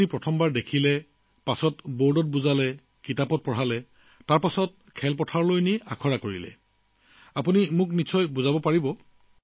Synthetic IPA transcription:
ipɹɔtʰɔmbaɹdekʰilɛ | pasɔtboɹdɔt̚buzalɛ | kitapɔt̚pɔɹalɛ | taɹpasɔt̚kʰɛlpɔtʰaɹlojniʔa̰kʰɔɹakoɹḭlɛ̰ | apunimʊknit͡ʃʰɔjbuzabɔpaɹibɔ

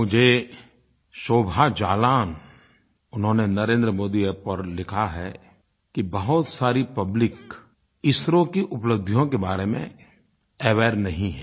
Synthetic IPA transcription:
mʊd͡ʒʱe | ʃoːbʱad͡ʒaːlaːn | ʊnɦõnenɐɾẽːnd̪ɾəmoːd̪ipɐɾlɪkʰaɦɛ | kibɐɦʊt̪saːɾipɐblɪk | ɪsɾõkiʔʊpləbd̪ʱijõkebaːɾemḛ̃ | ɛʋɛːɾnɐɦĩɦɛ̃ː

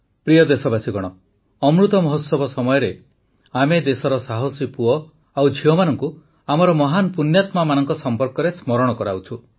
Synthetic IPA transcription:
pɾijɔd̪esɔbasiɡɔɽ̃ɔ | ɔmɾut̪ɔmɔɦosɔbɔsɔmɔjɔɾe | amed̪esɔɾɔsaɦɔsipuɔ | awd͡ʒʱiɔmanɔŋku | amɔɾɔmɔɦanɔpunjat̪mamanɔŋkɔsɔmpɔɾkɔɾesmɔɾɔɽ̃ɔkɔɾaut͡ʃʰu

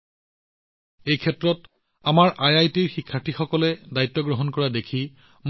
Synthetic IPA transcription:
ejkʰɛtɹɔt | amaɹʔajajtiɹxikʰːatʰixɔkɔlɛdajtːɔɡɹɔɦɔnkɔɹadekʰi | m

